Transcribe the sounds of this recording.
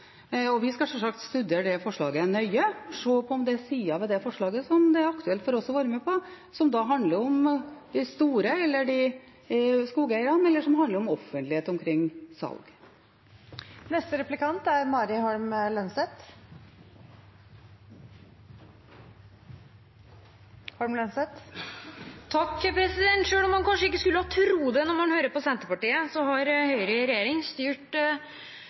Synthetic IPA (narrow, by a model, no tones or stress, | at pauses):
ɔʋɪskɑsɔmsɑk̚t̪st̪ʉd̪eːəɖɛfɔʂɭɑ̰ːɡənœʏəʂoːpʰɔɔmd̪ɛsiːɑʋɛd̪ɛfɔʂɭɑːɡəsɔmd̪ɛæɾɑkt̪ʉɛlt̪fɔɾɔsɔʋɑːɾəmeːpʰɔ | sɔmd̪ɑɦɑnd̪ləɾɔmd̪̥ɪst̪uːɾəɛlːəɖɪ | skuːɡəæɪəɾɑnɛlːəʂɔmɦɑnd̪əɾɔmɔfːənt̪lɪeːt̪ɔmkʰɾɪŋːsɑ̰lɡ | nɛst̪əɾɛplɪkʰɑnt̪æɾmɑːɾɪhɑɾmlœnsɛt̪ | hɑɾmlœnsɛt̪ | t̪ʰɑkːəpʰɾɛsɪd̪ɛnt̪ʂøːlɔmːɑnkʰɑnʂəɪkːəskʉlːəhɑt̪ʰɾuːd̪ɛnɔɾmɑnhøːɾəpɔsɛnt̪əpɑʈiːəsɔhɑɾhœʏɾəɾɛjeːɾɪŋst̪yːʈ